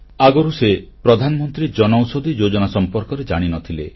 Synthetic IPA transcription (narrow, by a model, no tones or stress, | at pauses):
aɡɔɾusepɾɔd̪ʱanɔmɔnt̪ɾid͡ʒɔnɔwsod̪id͡ʒod͡ʒɔnasɔmpɔɾkɔɾed͡ʒaɽ̃inɔt̪ʰile